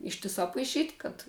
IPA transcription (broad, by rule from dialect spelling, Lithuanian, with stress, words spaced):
ˈɪʃʲtʲɪsɑː pɐɪˈʃʲiːtʲ kɐt